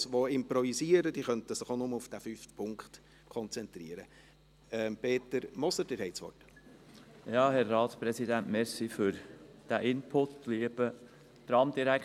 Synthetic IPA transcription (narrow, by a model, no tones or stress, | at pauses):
sʋoɪmpɾɔvisiːəɾəd̥̪iχœnt̪əsɪχonʊməufd̥æfyftpʰʊŋkχt | kχɔnt͡sɛnt̪ɾiəɾə | ɛmpʰeːt̪əɾmɔsəd̥ɪɾhɛɪtsʋɔ̰rt | jɑːhɛɾːɑːt̪spɾɛsid̪æntmɛɾsifʏɾd̪̥æʔɪnpʰʊtːliəb̥ə | t̪ɾɑmd̪iɾæk